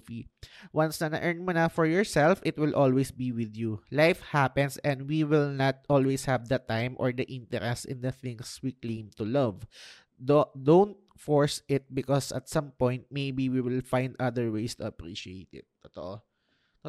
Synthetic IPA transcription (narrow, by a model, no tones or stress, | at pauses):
fiwɐ̃nsnɐnɐ̰ʔɛɹnmonɐfɔɹjɔɹsɛlfʔɪt̪wɪlʔɔlwejsbiwɪðjulajfhapɛ̃nsɛ̃nd̪wiwɪlnɐt̪̚ʔɔlwejshɐvd̪ɐt̪ãjmʔɔɹd̪ɐʔɪ̃nt̪ɛɾɛst̪ɪ̰̃nd̪ɐθɪ̃ŋswiklẽɪ̃mt̪ulɐv | dd̪õwnt̪̚fɔɹsɪt̪̚bɪkɔsɐ̰t̪̚sɐ̃mpɔ̃jnt̪̚mejbiwiwɪlfãjnd̪ʔɐd̪əɹwejst̪ʊɐpɹḭʃiḛɪt̪ɪ̰t̪ːɔt̪ɔ̰ʔo